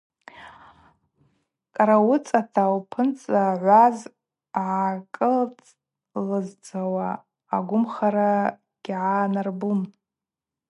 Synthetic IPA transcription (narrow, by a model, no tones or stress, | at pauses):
kʼaɾawʊt͡sʼatʰawpʰɨnt͡sʼaʕʷaz | ʕakʼɨlt͡sʼ | lɨzt͡sʰawaː | ɡʷʊmχaɾa | ɡ̥ʲʕanarbum